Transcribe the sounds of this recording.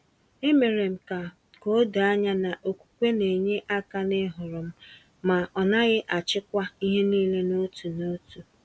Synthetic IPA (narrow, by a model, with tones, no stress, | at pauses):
e˦me˨ɾe˨m̩˨ka˨ | ko˦da˦ɲa˦na˨ʔo˨kʷu̥˨kʷe˦ne˨ɲe˦ʔa˦ka˦nɪ˦ɦʊ˨ɾʊ˨m̩˦ | ma˨ʔɔ˨na˦ɣɪ˦ʔa˨t͡ʃɪ˦kʷa˦i˦ɦe˦niː˦le˦no˦tu˨no˦tu˨